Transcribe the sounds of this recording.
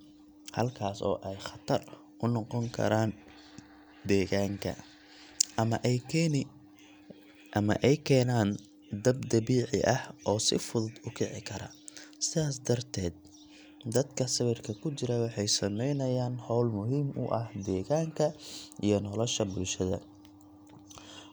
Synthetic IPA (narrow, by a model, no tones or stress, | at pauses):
hɐ̰lkʰaːsɔ̰ːʔɛjχɐt̪ʰɐr | ʊnɔqɔŋkʰɐ̰ɾaːn | d̪ɛːɣaːŋkʰɐ̰ | mɐʔn | ʔɐmɐ̰ʔɛjkʰɛːnaːn | d̪ɐbd̪ɐβiːʕɪ̰ʔɐhʔɔːsɪ̰fʊðʊd̪ʊkʰɪʕɪ̰kʰɐɾɐ̰ | sɪðaːs̬d̪ɐrt̪ʰɛːd̪̚ | d̪ɐd̪kʰɐsɐβɪrkʰɐkʰʊt͡ʃɪɾɐwɑħɑjsɐmɛjnɐjaːnhɔwlmʊɦiːmʊ̰ʔɐhd̪ɛːɣaːŋkʰɐijɞnɔlɔʃɐbʊlʃɐðɐ̰